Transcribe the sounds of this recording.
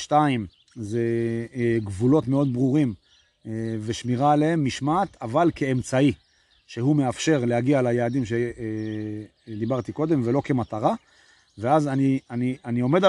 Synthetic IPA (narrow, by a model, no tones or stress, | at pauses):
ʃtaim | ze | ɡvulo̞t̪meo̞d̪̚bʁuʁim | veʃmiʁaːlee̞mːiʃmaːt̪avalke̞ːmt͡sai | ʃe̞ɦume̞afʃe̞ʁleɦaɡialajaːd̪imʃe | d̪ibaʁt̪iko̞d̪e̞mve̞lo̞ke̞mat̪aʁa | veazanianianio̞me̞d̪a